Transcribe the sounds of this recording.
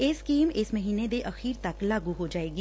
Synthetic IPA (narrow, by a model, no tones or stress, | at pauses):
ɪskiːmɪsməɦiːned̪eʔɐxiːɾt̪ɐklaːɡuɦod͡ʒaːeːɡiː